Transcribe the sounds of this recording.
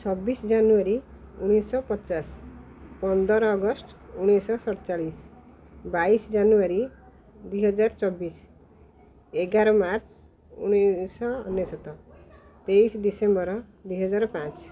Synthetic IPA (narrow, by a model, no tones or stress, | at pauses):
t͡sʰʌbisd͡ʒanuaɾiuɽ̃esʌpʌtːt͡saspʌnd̪ʌɾʌɡʌsʈuɽ̃esʌsʌɽt͡salis | baisd͡zanuaɾi | d̪uiɦʌd͡zart͡sʌbːis | eɡaɾʌmart͡s | ṵñesʌ̰ːnːesɔt̪ːɔ | t̪ejsd̪isembʌɾ | d̪uijɦʌd͡zaɾpãt͡s